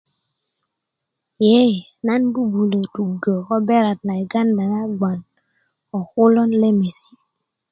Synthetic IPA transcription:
je˦˨na˦nbu˦bu˨lə˨tu˨ɡə˨ko˦be˦ɾa˨tna˨jɡa˦nda˨na˦ɡ͡ba˨n | ɔ˨xu˦lɔ˦nle˦me˨si̥˦

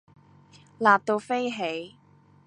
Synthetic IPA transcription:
laː˨p̚t̪o˧wfe˥jɦe˨˥j

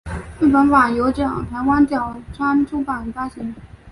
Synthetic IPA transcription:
pə˧˥nwa˨˩jo˧˥ʊʈ͡ʂɤ˥˩jɑ̰˨˩ŋt̪ʰa˧˥ɪwa˥nt̪jɑ˨˩ʊʈ͡ʂʰa˥nʈ͡ʂʰu˥pa˨˩nfa˥ɕi˧˥ŋ

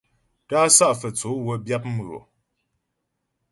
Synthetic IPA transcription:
ta˦sa˦ʔfə˨t͡so˨˦wə˦bja˦p̚m̩˨o̰˨

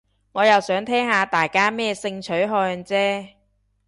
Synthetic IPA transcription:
ŋɔː˨˧jɐ˨wsœː˨˥ŋt̪ʰɛː˥ŋhaː˨˧t̪aː˨jkaː˥mɛː˥sɪ˧ŋt͡ʃʰɵ˨˥ɥɦɔː˧jnt͡sɛː˥

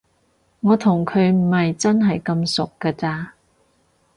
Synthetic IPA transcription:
ŋɔː˨˧t̪ʰʊ˨˩ŋkʰɵ˨˧ɥm̩˨˩hɐ˨jt͡sɐ˥nɦɐ˨jkɐ˧msʊ˨kːɐː˧t͡saː˧

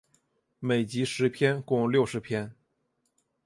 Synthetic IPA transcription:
me˨˩ɪt͡ɕi˧˥ʂɻ̩˧˥pʰjɛ˥nkʊ˥˧ŋljo˥˩ʊʂɻ̩˧˥pʰjɛ˥n

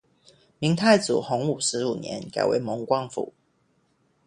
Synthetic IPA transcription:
mi˧˦ŋt̪ʰa˥˩ɪt͡sṵ˨˩xo˧˥ŋu˨˩ʂɻ̩˧˥u˨˩njɛ̰˧˦nka̰˨˩ɪwḛ˧˦ɪmɔ˧˥ŋkwɑ˥ŋfṵ˨˩˦

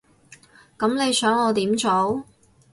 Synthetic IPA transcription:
kɐ˨˥mne˨˧jsœː˨˥ŋɔː˨˧t̪iː˨˥mt͡so˨˥w

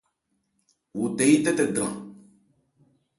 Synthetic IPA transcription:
wu˨te˨˦i˦t̪ɛ˦t̪e˨dɾã̰˨

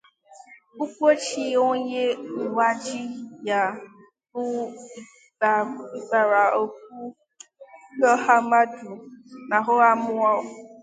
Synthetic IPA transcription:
u˦kʷo˦t͡ʃi˦o˦ɲe˦˨wa˦d͡ʒi˦ja˨ | bʊ˦˨ | i˦k͡pa˨ɾa˨o˨k̚ʷu˦ | lɔ˦ha˦ma˦du˨na˨ɦʊ˦a˦mʊ˦a˦

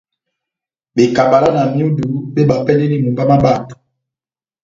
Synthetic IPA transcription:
ɓe˨ka˨ba˨la˦na˨mi˦o˦du˨˦ɓe˦ɓa˨pɛ˦ldɛ˦li˦mu˨mba˦ma˦ba˦˨tu̥˨

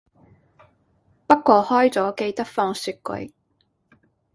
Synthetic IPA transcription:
pɐ˥k̚kːʷɔː˧hɔː˥jt͡sɔː˨˥ke˧jt̪ɐ˥k̚fɔː˧ŋsyː˧t̚kɵ̰˨˧˥ɥ

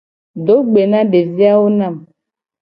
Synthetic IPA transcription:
do˨˦ɡ͡be˨na˦de˨zi˦a˦o˦na˦˨m

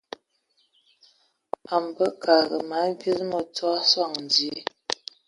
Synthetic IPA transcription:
a˨m˨bə˦kʰa˨ɣə˨ma˨˦bi˦ɾmə˨twa˦swa˦˨ŋn˨dje˦

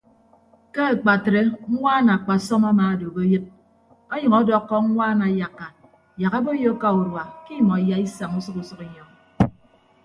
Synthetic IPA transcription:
ke˦e˨k͡pa˨tɾe˦ŋ̩˦ŋʷaː˦na˨a˨k͡pa˨sɔ˦ma˦maː˨a˨do˨bo˦jɨ˦t̚ | ɔ˦ɲʌ˨ŋɔ˦dɔ˦kːɔ˦ŋ̩˦ŋʷaː˦na˨ja˨kːa˨ | ja˨ɣa˦bo˦jo˦ka˦u˨ɾwa˨ki˦˨mɔ˨ja˦i˦sa˨ŋu˦sʌ˦ku˨sʌ˦ki˨ɲɔ˦ŋ

